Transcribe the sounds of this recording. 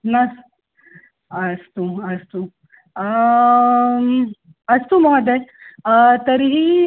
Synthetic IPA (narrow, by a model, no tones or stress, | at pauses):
nɐs | ɐst̪uɐst̪u | ɐst̪umɔɦd̪e | t̪ɐɾiɦi